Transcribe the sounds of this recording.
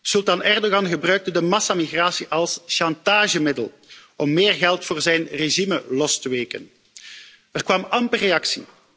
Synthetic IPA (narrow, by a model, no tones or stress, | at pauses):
sɵlˠtɑnɛrdoɣɑnɣəbrœːɥk̚tədəmɑsamiɣraːsiʔɑlˠsʃɑntaːʒəmɪdə̰lˠ | ɔmːeːrɣɛlˠtfoːrzɛjnreʒiməlɔstəʋeːkə̰n | ərkʋɑmɑmpəreɑksi